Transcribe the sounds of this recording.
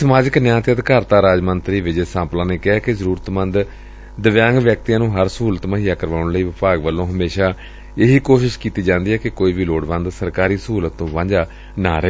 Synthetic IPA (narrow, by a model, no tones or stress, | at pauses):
səmaːd͡ʒɪknjãːt̪eəd̪kaːɾt̪aːɾaːd͡ʒmənt̪ɾiːʋɪd͡ʒesãːplãːneːkɪːkɪzəɾuːɾət̪mə̃nd̪ | d̪əʋjãːŋɡʋjək̚t̪ijãːnũːɦəɾsəɦuːlət̪məɦiːjaːkəɾʋaːʊ̃ɳləiːʋɪpaːɡʋəlːõːɦəmeːʃaː | eɦiːkoːʃɪʃkiːt̪iːd͡ʒãːnd̪iːɦɛːkɪkoːiːʋiːloːɽʋə̃nd̪səɾkaːɾiːsəɦuːlət̪ːõːʋãːd͡ʒaː | naːɾəe